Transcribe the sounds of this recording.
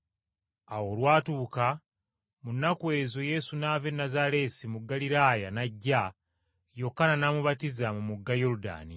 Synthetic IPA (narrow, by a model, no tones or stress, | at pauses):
awo̞lwaːtuːka | munːakwe̞ːzoje̞sunave̞nːazale̞ːsimuɡːaliɾaːjanaɟːa | jo̞kːananaːmuβatizamumuɡːajoɾuda̰ːni